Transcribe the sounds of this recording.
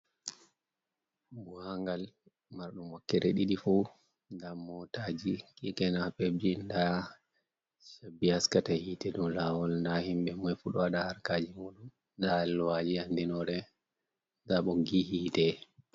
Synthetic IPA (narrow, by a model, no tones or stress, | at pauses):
buhaŋɡal | maɾɗumɔkːɛɾɛɗiɗifu | ndamɔtad͡ʒikʼikɛnapebd͡ʒinda | ʃabːihaskatahiːtɛɗumlawɔlndahimbɛmɔjfuɗɔaɗahaɾkaːd͡ʒimuːɗum | ndalwad͡ʒiandinɔɾɛ | ndaɓɔɡihiːtɛ